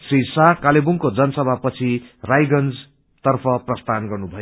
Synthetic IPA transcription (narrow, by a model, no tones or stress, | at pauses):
sisakalebuŋkod͡zʌnʌsʌbʱapʌt͡sʰirajɡʌnd͡z | t̪ʌrpʰʌprʌst̪ʰanɡʌrnubʱʌjo